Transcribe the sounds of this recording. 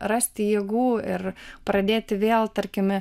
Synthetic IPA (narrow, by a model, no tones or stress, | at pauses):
rɐsʲt̪ʲɪjiɛːɡuːɪɾpɾɐd̪ʲeːt̪ʲɪʋʲeːlˠt̪ɐɾʲkʲɪmʲ